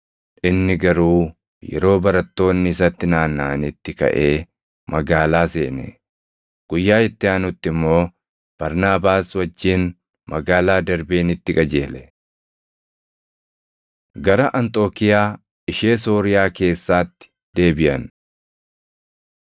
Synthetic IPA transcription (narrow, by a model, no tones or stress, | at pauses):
ʔɪnːɪɡɐɾuː | jɛ̰ɾo̞ːbɐɾɐt̪ːo̞ːnːɪsɐt̪ːɪnaːnːaːnɪt̪ːɪkɐ̰ʔe̞ː | mɐɡaːlaːseːnɛ̰ | ɡ̥ʊjːaːɪt̪ːɪaːnʊt̪ːɪmːo̞ː | b̥ɐɾnaːbaːswɐd͡ʒːɪn | mɐɡaːlaːd̪ɐɾbeːnɪt̪ːɪkʼɐd͡ʒeːlɛ | ɡɐɾɐʔɐnt̪ʼo̞ːkɪjaː | ɪʃe̞ːso̞ːɾɪjaːke̞ːsːaːt̪ːɪ̥ | d̪̥e̞ːbɪʔɐn